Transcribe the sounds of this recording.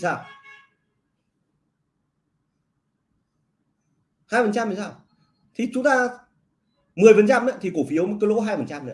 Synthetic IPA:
saː˧˩w | haː˧jfə˨˩nt͡ɕa˧mːi˨˩saː˧˩w | t̪ʰi˨˩t͡ɕʊ˨˦ŋ͡mt̪aː˧ | mɨ˨˩əjfə˨nt͡ɕa˧mnɨ̰˧˥˦t̪ʰi˨˩ko˧˩fi˨˦əwm˨t̚kə˧˦lo˧˦˥ɦaː˧jfə˨˩nt͡ɕa˧mnɨ̰˧˦

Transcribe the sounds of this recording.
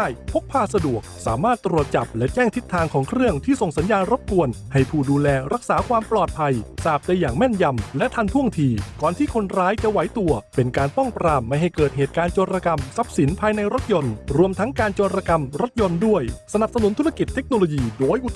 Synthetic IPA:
jpʰo˦˥k̚pʰaː˧˥˩sa˧du˨˩ək̚saː˩˦maː˥˩t̪ːɾu˨˩ət̪̚t͡ɕa˨˩p̚lɛ˦˥t͡ɕɛː˥˩ŋt̪ʰi˦˥t̪ʰːaː˧ŋkʰɔː˩˦ŋkʰɾɯ˥˩əŋt̪ʰiː˥˩so˨˩ŋsa˩˦njaː˧nɾo˦˥p̚ku˧ənha˧˥˩jpʰuː˥˩duː˧lɛː˧ɾa˦˥k̚saː˩˦kʰwaː˧mplɔː˨˩t̪̚pʰa˧jsaː˨˩p̚da˧jːaː˨˩ŋmɛ˥˩nja˧mlɛ˦˥ʔt̪ʰa˧nt̪ʰu˥˩əŋt̪ʰiː˧kɔː˨˩nt̪ʰiː˥˩kʰo˧nɾaː˦˥jt͡ɕa˧˩wa˩˦jt̪u˧ɐpe˧nkaː˧npɔ˥˩ŋpɾaː˧mːa˧˩jɦa˨˩jkɤː˨˩t̪̚ɦeː˨˩t̪̚kaː˧nt͡ɕoː˧ɾaː˧ka˧msa˦˥p̚si˨˩˦npʰaː˧jna˧jɾo˦˥t̪̚jo˧nɾu˧əmt̪ʰa˦˥ŋkaː˧nt͡ɕoː˧ɾaː˧ka˧mɾo˦˥t̪̚jo˧ndu˥˩əjsa˧na˨˩p̚sa˧nu˩˦nt̪ʰu˦˥ɾa˧ki˨˩t̪ʰːe˦˥k̚noː˧loː˧jiː˧doː˧˩jʔu˨˩

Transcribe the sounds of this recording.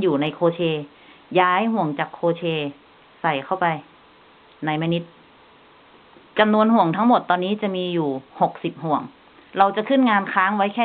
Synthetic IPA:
juː˨˩na˧jkʰoː˧t͡ɕʰeː˧ | jaː˦˥jhu˨˩əŋt͡ɕaː˨˩kʰːoː˧t͡ɕʰeː˧ | sa˨˩jkʰa˥˩wpa˧j | na˧jma˧ni˦˥t̪̚ | t͡ɕa˧mnu˧ənɦu˨˩əŋt̪ʰa˦˥ŋmo˨˩t̪ːɔː˧nːiː˦˥t͡ɕa˨˩miː˧juː˨˩ho˨˩k̚si˨˩p̚hu˨˩əŋ | ɾa˧wt͡ɕa˨˩kʰɯ˥˩nŋaː˧nkʰaː˦˥ŋwa˦˥jkʰɛː˥˩

